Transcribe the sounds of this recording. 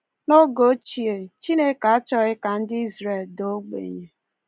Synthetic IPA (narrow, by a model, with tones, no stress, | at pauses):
no˦ɡo˦t͡ʃi˨e˨t͡ʃi˦ne˦ka˨a˦t͡ʃɔ˦ɣɪ˦ka˨n̩˦dɪ˦i˦zɾe˨ldo˦ɡ͡bḛ˨ɲe˨